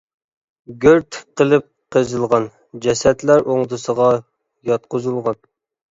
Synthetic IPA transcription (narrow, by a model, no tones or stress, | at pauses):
ɡʲøɾt̪qəlˠɨp̚qəzɨlˠʁɑn | d͡ʒɛsɛt̪læɾʔoŋd̪ɨsəʁɑ | jɑt̪̚qʰozulˠʁɑn